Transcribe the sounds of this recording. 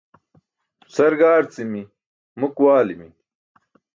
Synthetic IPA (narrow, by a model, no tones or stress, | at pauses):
sɐɾɡaːɾt͡simi | mukwaːlimḭ